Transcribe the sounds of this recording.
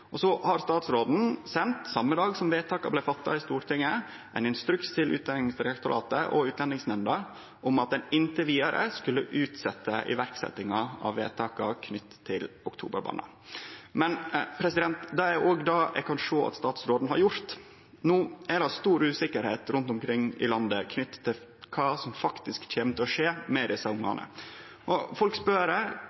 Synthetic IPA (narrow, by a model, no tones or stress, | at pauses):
ʔɔsɔhɑɾst̪ɑːt̪sɾoːd̪n̩sɛnt̪sɑmːəd̪ɑːɡsɔmʋeːt̪ʰɑːkɑblæɪfɑt̪ːɑ̰ɪst̪uːɾʈ̪ʰɪŋːə | ʔæɪnɪnst̪ɾʉkst̪ʰɪlʔʉ̰t̪d̪ɛnɪŋsɾɛɑkt̪ʊɾʔɑ̰ːt̪əʔɔ̰ʉːt̪lɛnɪŋsnɛnd̪ɑ | ʔɔmɑt̪̚d̪ɛnɪnt̪əʋiːd̪ɑɾʔə̰skʉlːəʔʉːt̪sɛt̪ːəʔɪ̰ʋæɾksɛ̰t̪ːɪŋɑɑ̰ʋːḛːt̪ʰɑːkɑkʰnʏt̪ʰːɪlʊkt̪ʰṵːbə̰ɾbɑ̰ːnɑ̰ | mɛnpʰɾɛsɪd̪ɛnt̪d̪ɑæʔoɡd̪ɑːʔɛ̰kʰɑnʂoːɑ̰t̪st̪ɑːt̪sɾoːd̪n̩hɑɾjʊɾt̪ | nuːæɾɑst̪uːɾʉːsɪkəɾheːt̪ɾʊnt̪ʊmkʰɾɪŋːɪ̰lɑnd̪əkʰnʏt̪ːt̪ʰːɪl | kʰɑːsɔmfɑkt̪ɪskt̪ʰeːmt̪əɔʂeːmɛd̪ɪsɑʊŋːɑ̰nə̰ | ʔɔfɔlkspœɾə